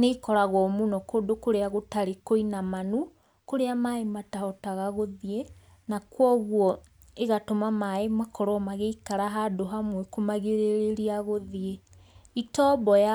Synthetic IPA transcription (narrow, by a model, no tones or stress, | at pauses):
neikɔɾaɣwɔmunɔkoːdokoɾeaɣotaɾekoinamanu | koɾeamaematahɔtaɣaɣoðie | nakwɔɣwɔ | eɣatomamaemakʰɔɾɔmaɣeikaɾaɦadoɦamwekomaɣeɾeɾeɾiaɣoðie | itɔbɔja